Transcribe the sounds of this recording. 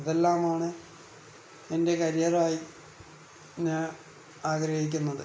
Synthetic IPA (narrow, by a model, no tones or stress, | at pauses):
ðe̞lːaːmaːɳɨ | e̞nde̞kɐɾjaraːji | ɲaːn | aːɡɾɐhik̬ʲːunːɐðɨ